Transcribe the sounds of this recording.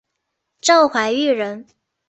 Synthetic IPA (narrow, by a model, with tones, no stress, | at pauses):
ʈ͡ʂɑ˥˩ŋxwa˧˥ɪy˥˩ɻə˧˥n